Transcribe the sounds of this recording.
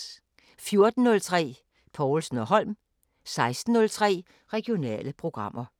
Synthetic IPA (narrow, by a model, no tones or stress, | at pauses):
fjo̝ɐd̥n̩ːɔ̽lt͡sʰʁɛ̰ː | pʰɒʊlsn̩ɒɦɒ̽l̰m | sɑ̈ɪsd̥n̩ːɔ̽lt͡sʰʁɛ̰ː | ʁɛɡ̥io̝nɛ̰ːləpʰʁo̝ɡ̥ʁɑ̈m̰ʔɐ